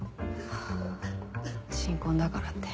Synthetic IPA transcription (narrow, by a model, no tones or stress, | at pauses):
ɕĩŋkõnd̪akaɾat̪ːe̥